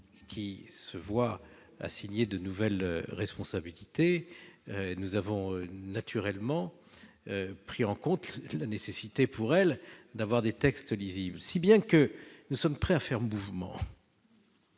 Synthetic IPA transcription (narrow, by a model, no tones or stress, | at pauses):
kʲʰisəvwa | a̰siɲed̪ənuvɛlʁɛspɔ̃sabilit̪eønuzavɔ̃ønat̪ʰyʁɛlmɑ̃ | øpχiɑ̃kɔ̃t̪lanesesit̪epʰuʁɛld̪avwaʁd̪et̪ɛkst̪liziblsibjɛ̃kənusɔmpχɛafɛʁmuvmɑ̰̃